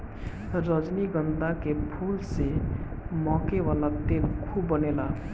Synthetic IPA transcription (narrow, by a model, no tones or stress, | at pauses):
ɾəd͡ʒniɡʌnd̪akepʰulse | mɔkewalat̪elkʰubənela